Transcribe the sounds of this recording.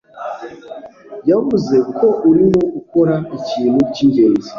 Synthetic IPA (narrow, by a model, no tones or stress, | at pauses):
jamʊzekʰoʔuɾinoukʷoɾait͡ʃinut͡ʃind͡ʒeɾezi